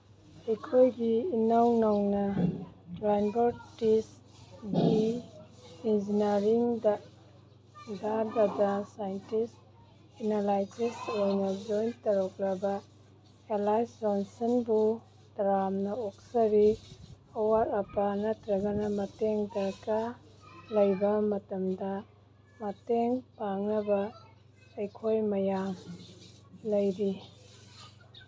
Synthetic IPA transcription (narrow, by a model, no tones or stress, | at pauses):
hikʰojɡiːnawnɐwnɐ | lajnbɐɾtis | ɡi | ind͡ʒinaɾiŋdɐ | dʱaɾbɐdɐsajntis | enalajd͡ʒisojnɐd͡ʒojntɐɾɔklɐbɐ | elajsɾansɐnbu | dɾamnɐok̚sɐɾi | owaɾɐpɐnɐtɾɐɡɐnɐmɐteŋdɐɾka | lɐjbɐmɐtɐmdɐ | mɐteŋpaŋnɐbɐː | jkʰojmɐjam | lɐjɾi